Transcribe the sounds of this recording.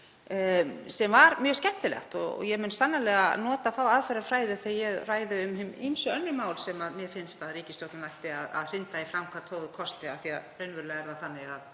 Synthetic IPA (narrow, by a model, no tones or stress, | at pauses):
sɛmvaɾmjœːɣscɛht̪ɪlɛ̰xt̪ɔ̰jɛmʏnsanːalɛːɣanɔːt̪aθawaðfɛɾaɾ̥fɾaːjðɪθejɛɣraːjðɪʏmhɪmḭmsʏœnːʏmaːwlsɛmaðmjɛfɪnst̪aðriːcɪst̪owt̪nanajht̪ɪaða̰ðr̥ɪnt̪aifɾamkʰvaɾ̥t̪ʰoːwðʏkʰɔst̪ɪaθiaðreɥnvʏɾlɛɣɛɾðaθanːɪɣað